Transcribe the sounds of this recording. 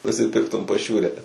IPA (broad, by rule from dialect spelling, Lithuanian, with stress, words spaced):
nʊsʲɪˈpʲɪrktʊm pɐˈʃʲuːrʲɛ